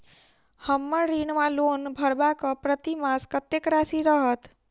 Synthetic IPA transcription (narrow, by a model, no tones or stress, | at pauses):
həmːəɾinmãlonbʱəɽbakəpɾət̪imaskət̪ekɾasiɾəɦət̪